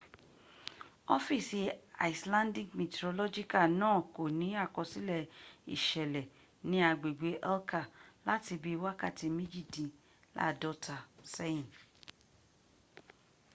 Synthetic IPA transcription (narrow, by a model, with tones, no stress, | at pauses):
ɔ˦fi˦˨si˧a̰˨i˨slã˦ndĩ˨ɡmĩ˨tɾo˧lɔ˦d͡ʒi˦ka˦˨nãː˦˨ko˨nĩ˨˦a˦˨kɔ̃˧si˦lɛ˦˨ḭ˨ʃɛ˨lɛ˨ | nĩ˦a˧ɡ͡be˨ɡ͡be˨˦ʔɛ˦lka˦˨la˦ti˧bi˦wa˦ka˦˨ti˧mĩ˦d͡ʒi˦˨dĩ˨˧ | la̰˦˨dɔ˦ta˧˨se˦ĩ˦˨n